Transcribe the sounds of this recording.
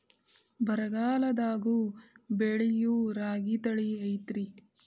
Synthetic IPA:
bɐɾɐɡaːlɐd̪aːɡubeɭijuɾaːɡit̪ɐɭiɐjt̪ɾi

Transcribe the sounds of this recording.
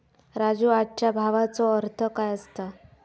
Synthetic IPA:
ɾad͡zuːaʈ̚t͡ɕjabʱaʋat͡sɔəɾt̪ʰəkajəst̪a

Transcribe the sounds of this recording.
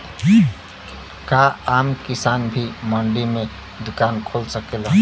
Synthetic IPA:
kaaːmkisanbʱiməɳɖimẽ | d̪ʊkaːnkʰolsəkel

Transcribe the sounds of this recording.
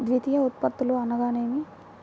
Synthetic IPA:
d̪ʋit̪ijɐut̪̚pɐt̪ːuluɐnɐɡaːneːmi

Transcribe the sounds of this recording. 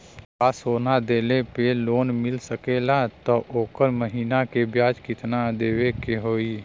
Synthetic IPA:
aːsoːnad̪eːlepeloːnmɪlsəkelat̪ɔʔoːkəɾməɦiːnakebjaːd͡ʒkɪt̪nad̪eːwekeɦoːiː

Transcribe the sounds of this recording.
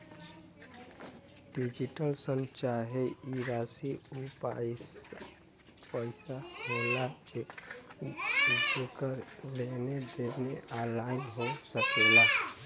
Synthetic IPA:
ɖid͡ʒiʈəlsənt͡ʃaɦeiɾasiupa̰s | pəɪsaɦela | d͡ʒekəlened̪enealaɪnɦosəkela

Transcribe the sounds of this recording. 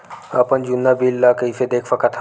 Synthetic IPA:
əpənd͡ʒunːabilːakəifed̪eːkʰsəkat̪ʰa

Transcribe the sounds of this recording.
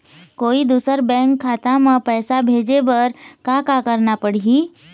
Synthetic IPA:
koːid̪uːsəɾbɛ̃ːŋkʰːaːt̪ãmãpɛːsabʱeːd͡ʒebɐɾkaːkakɐɾnapəɽiiː

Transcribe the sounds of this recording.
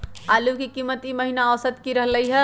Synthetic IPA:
aːlukikiːmːət̪imɐɦinaːʋsət̪kiɾɐɦlɐiɦɛ

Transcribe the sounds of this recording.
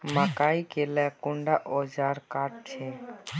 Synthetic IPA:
makaikelɛkʊɳɖaʔod͡ʒaːɾkaːʈ̚t͡ʃʰẽ

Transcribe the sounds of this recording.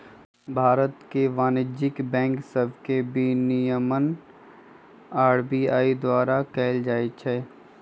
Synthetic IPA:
bʱaːɾət̪keʋaːnɪd͡ʒɪkbɛ̃ːŋksəbʱkebʱinɪjəmən | aːɾbiːaːid̪waːɾakɛːld͡ʒaːet͡ʃʰɛː

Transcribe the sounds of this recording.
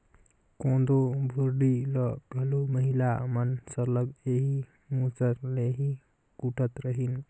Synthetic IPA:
kõd̪obʱoɾɖiləbʱəluməɦilamənsəɾlʌɡeɦi | mut͡səɾleɦi | kuʈət̪ɾəɦin

